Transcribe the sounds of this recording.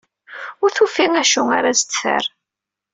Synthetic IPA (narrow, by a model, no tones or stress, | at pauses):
ʊɾθufiŋæʃuaɾazt̪ːfə̰ɾ